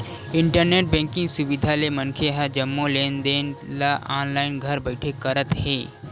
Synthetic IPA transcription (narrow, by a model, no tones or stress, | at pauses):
ɪ̃ɳʈəɾneːʈ̚bɛ̃ːŋkɪ̃ŋɡsʊbɪd̪ʱalemənkʰeɦad͡ʒəmːoleːnd̪eːnlaʔaːnlaːɪnɡʱəɾbəɪʈʰekəɾət̪heː